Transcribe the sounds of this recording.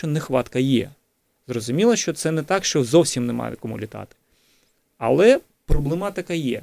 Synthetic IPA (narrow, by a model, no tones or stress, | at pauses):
ɔnɛxʋɑt̪kɐjɛ̰ | zrɔzʊmʲilˠɐʃt͡ʃɔt̪sɛnɛt̪ɑkʃt͡ʃɔzɔwsʲimnɛmɑ̰jɪ̰kɔmṵlʲit̪ɑ̰t̪ɪ̥ | ɐ̰lˠɛ | pɾɔblˠɪmɑt̪ɪkɐjɛ̰